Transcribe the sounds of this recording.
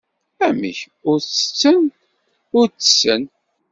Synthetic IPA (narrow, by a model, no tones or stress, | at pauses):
æmə̰ç | ʊɾt͡sːə̥t͡sːən | ʊɾt͡sːə̥sːən